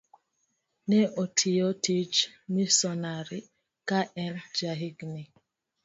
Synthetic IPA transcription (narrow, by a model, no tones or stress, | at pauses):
nɛʔɔtʰiɔtʰit͡ʃmisɔnaɾi | kaʔɛld͡ʒaɦiɡni